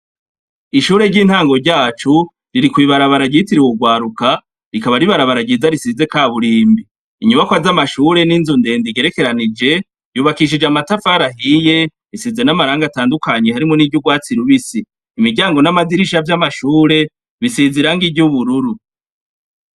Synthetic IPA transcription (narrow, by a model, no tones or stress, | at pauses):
iʃuːɾe̞ɾɟiːn̥haːŋɡo̞ɾɟaːt͡ʃu | ɾiɾikwiːβaɾaβaɾaɟitiɾiwoɡwaːɾuka | ɾikaβaɾiβaɾaβaɾaɟizaɾisize̞kaːβuɾiːmbiː | ɲuβakwazamaʃuːɾe̞niːnzunde̞ːndiɡe̞ɾe̞ke̞ɾanid͡ʒe̞ | vjuːβakiʃ̬id͡ʒeamatafaːɾaɦije̞ | βisize̞namaɾaːŋɡataːndukʰaɲe̞haɾimonivjuɡwaːt͡siɾuβisiː | miɟaːŋɡo̞namaziɾiʃavjamaʃuːɾe̞ | βisiziɾaŋɡiɟuβuɾuɾu